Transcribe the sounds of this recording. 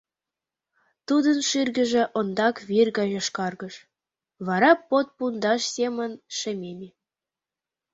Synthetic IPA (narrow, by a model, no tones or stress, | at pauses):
t̪ud̪ənʃirɡə̆ʒĕʔond̪ɑkβirɡɑʒɑʃkɑrɣəʃ | βɑɾɑpot̪̚pund̪ɑʃsʲemənʃĕmʲemʲe